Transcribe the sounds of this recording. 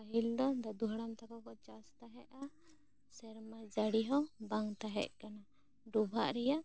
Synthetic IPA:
aɦild̪ɔd̪ad̪uɦaɽamt̪akɔkɔt͡ʃast̪aɦɛʔa | sɛɾmad͡ʒaɽiɦɔbaŋt̪aɦɛ̰ʔkana | ɖubʱa̰ʔɾɛjaʔ

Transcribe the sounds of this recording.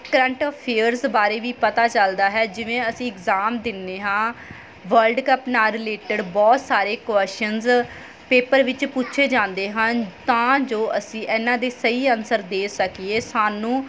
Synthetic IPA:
kəɾə̃ɳʈɔːpʰːeːəɾzbaːɾeːʋiːpət̪aːt͡ʃəld̪aːɦɛːd͡ʒɪʋẽːəsĩːɪkzaːmd̪ɪnːeːɦãː | ʋəɾɖkəpnaːlɾɪleːʈəɖbɔːt̪saːɾeːkwɛsʈənz | peːpəɾʋɪt͡ʃpʊtːʃʰeːd͡ʒãːnd̪eːɦənt̪ãːd͡ʒoːʔəsĩːʔɛːnãːd̪eːsəiːənsəɾd̪eːsəkieːsaːnũː

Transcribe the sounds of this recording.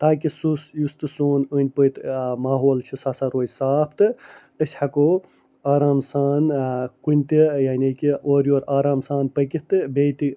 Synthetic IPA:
t̪aːkisusjust̪ɨsoːnɨnʲpəjt̪maːɦoːlt͡ʃʰisasaɾoːjʲsaːbʰt̪ɨ | əsʲhɐkoː | aːɾaːmsaːnkunʲt̪ijaːnʲikioːɾioːɾaːɾaːmsaːnpəkit̪ɨbejt̪i

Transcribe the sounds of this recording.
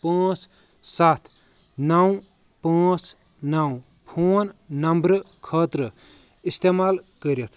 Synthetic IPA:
pãːt͡s | sat̪ʰ | naw̃ | pãːt͡s | naw | pʰoːnnɐmbɾə | kʰəːt̪ɾə | ist̪emalkəɾjet̪ʰ

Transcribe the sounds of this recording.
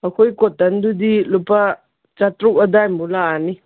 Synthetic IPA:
akʰojkɔt̚ːandudilupa | t͡ʃatɾukadajmbulaːni

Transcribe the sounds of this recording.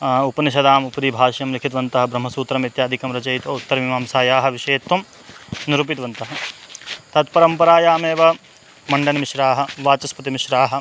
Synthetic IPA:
upɐnɐʃ̬ɐd̪aːmupɐɾiːbʱaːʃjɐmɾikʰit̪ʋɐnt̪ɐɦɐ̆bɾɐm̤ɦɐsuːt̪ɾɐmit̪jaːd̪ʱikɐmɾɐt͡ʃɐjt̪ʋɐut̪ːɐɾmimaːmsaːjaːɦɐ̆ʋiʃeːt̪ːɐm | nɾuːp̬it̪ʋɐnt̪ɐɦɐ | t̪ɐt̪pɐɾɐmpɐɾaːjaːmeːʋɐ | mɐɳɖɐnɐmiʃɾaːɦɐ̆ʋaːt͡ʃɐspɐt̪imiʃɾaːɦɐ̆

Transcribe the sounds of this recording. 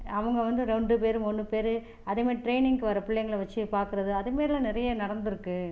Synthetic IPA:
ɐʋɐŋɡɐʋɐnd̪ɯɾɛɳɖɯpeːɾɯmʊɳːɯpeːɾɯ | ɐðemeːɾʈɾeɪnɪŋɡɯʋɐɾɐpɪɭːɐjɐŋɡɐɭɐʋɐt͡ʃːɯpaːɾkɯɾɐðɯɐðɯmeːɾɪlãːnɪɾɐjɐnɐɽɐnd̪ɪɾɯkːɯ

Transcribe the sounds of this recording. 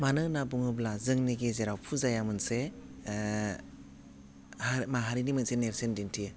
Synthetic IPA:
manɯnabuŋɯblazɯŋniɡezeɾawpʰuzajamɯnse | hmaɦaɾinimɯnseneɾsendintʰi

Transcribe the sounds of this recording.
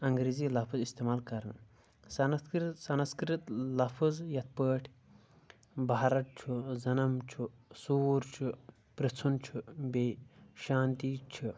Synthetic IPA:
ɐŋɡɾeːziːlɐfʰuzist̪eːmaːlkɐɾn | sɐnsɐnɐskɾit̪lɐfʰuzjɐt̪̚pəːʈʰ | baːɾɐʈ̪̚t͡ʃʰuzɐnɐmt͡ʃʰusuːɾt͡ʃʰu | pɾit͡sʰunt͡ʃʰubeʃaːnt̪iːt͡ʃʰu

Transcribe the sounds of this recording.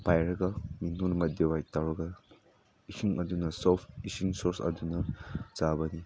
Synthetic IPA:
pajɾɐɡɐminunmɐt̚dewajtawɾɐɡɐ | isʰiŋɐdunɐsɔpʰisiŋsɔɾsɐ̰dunɐzabɐni

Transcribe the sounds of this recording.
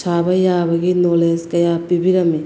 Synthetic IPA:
t͡ʃʰaːbɐjaːbɐɡinoleskɐjaːpibiɾɐmi

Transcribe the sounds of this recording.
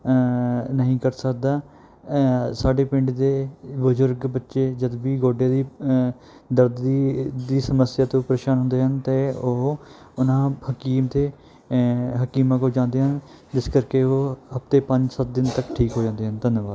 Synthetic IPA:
nəɦĩːkəɾsək̚d̪aː | saːɖeːpɪ̃ɳɖd̪eːbəzʊɾɡbətːʃeːd͡ʒəd̪biːɡoːɖjaːd̪iː | d̪əɾd̪iːd̪iːsəməsjaːt̪õːpɾeːʃaːnɦʊ̃nd̪eːɦənt̪eːoɦ | ʊnãːhəkiːmt̪eː | ɦəkiːmakoːd͡ʒãːnd̪eːɦən | d͡ʒɪskəɾkeːoːɦəpt̪eːpəɲd͡ʒsət̪̚d̪ɪnt̪əkʈʰiːkɦoːd͡ʒãːnd̪eːɦənd̪ənbaːd̪

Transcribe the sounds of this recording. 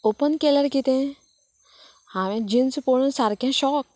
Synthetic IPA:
oːpənkeləɾkit̪ẽ | hamẽd͡ʒinspoːɽũsaɾkẽʃɔːk̚

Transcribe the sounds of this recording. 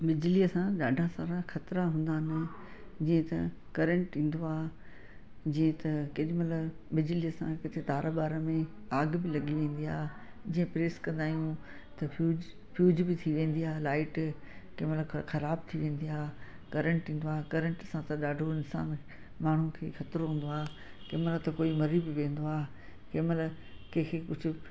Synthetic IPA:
bɪd͡ʑɪliɐsãɗaːɖʱãsaːɾaxɐt̪ɾaɦũːn̆d̪aːɦɪnɪ̆ | d͡ʑĩːẽt̪ɐkɐɾə̃ɳʈĩːn̆d̪oaːɦ | d͡ʑĩːẽt̪ɐkɪɗɪmɐt̪ləb | ɓɪd͡ʑɪliɐsã̰kɪt̪ʰet̪aːɾabaːɾəmẽ | aːɡbɪlɐɠiʋẽːn̆d̪ia̰ːɦe | d͡ʑĩːə̃pɾeːskɐ̃nd̪aːɦijũ | t̪ɐfuːd͡ʑ | fjuːd͡ʑbɪt̪ʰiʋẽːn̆d̪iaːɦelaːɪʈ | keːməlxɐɾaːb̚t̪ʰiʋẽːn̆d̪iaː | kɐɾə̃ɳʈʰĩːn̆d̪oaːekɐɾə̃ɳʈsãt̪ɐɗaːɖʱoɪnsa̰ːn | maːɳ̤ũkʰḛːxɐt̪ɪɾɦũːnd̪oaːkeːməlt̪ɐkoːimɐɾibɪʋẽːn̆d̪oaː | keːməl | kekʰekʊd͡ʑʱʊ̆

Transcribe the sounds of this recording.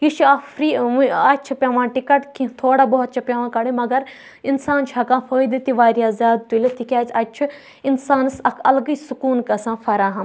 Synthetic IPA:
jiʃɐfɾiːmuɐt͡ʃʰipʲɐʋãːʈikɐʈkĩt̪ʰoːɽaːboɦt̪̚t͡ʃʰɐpʲɐʋãːkɐɽẽmɐɡɐɾ | insaːnt͡ʃʰɐkãːfoːjd̪et̪iʋaːɾijaːzjaːd̪̚t̪ulʲet̪ikʲaːt͡sɐt͡ʃʰu | insaːnɨsɐkʰɐlɡɨsukuːnkɐsãːfɐɾaːɦɐm

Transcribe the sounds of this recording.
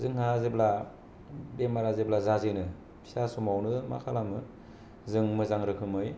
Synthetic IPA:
zɯŋhazebla | bemaɾazeblazazɯnɯ | pʰi̥sasumawnɯma̰kʰalamɯ | zɯŋmɯzaŋɾɯkʰɯmɯj

